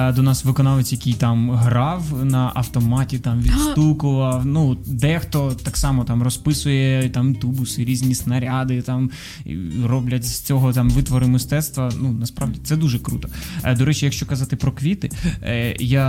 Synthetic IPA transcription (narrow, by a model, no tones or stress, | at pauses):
d̪ɔnɑsʋɪkɔnɑʋet͡sʲjɐkʲijt̪ɑmɦɾɑwnɐʔɐwt̪ɔmɑtʲit̪ɑmʋʲid̪st̪ukʊʋɐwnud̪ɛxt̪ɔt̪ɑksɑmɔt̪ɑmrɔspɪsʊjɛt̪ɑmt̪ubʊsɪɾʲizʲnʲisnɐɾʲad̪ɪt̪ɑm | ḭrɔblʲɐtʲz̥ʲt͡sʲɔɦɔt̪ɑmʋɪt̪ʋɔɾɨmɪst̪ɛt̪st̪ʋɐnunɐspɾɑʋdʲit̪sɛd̪uʒɛkɾṵt̪ɔ̥d̪ɔɾɛt͡ʃijɐkʃt͡ʃɔkɐzɑt̪ɪpɾɔkʋʲit̪ɪ | ja